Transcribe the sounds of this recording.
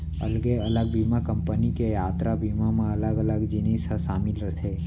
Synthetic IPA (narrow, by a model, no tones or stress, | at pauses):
ə̰lɡeələɡ̚biːmakə̃mpənikejaːt̪ɾabiːmamẽɐləɡələɡd͡ʒɪneːsəʃaːmɪlɾət̪ʰe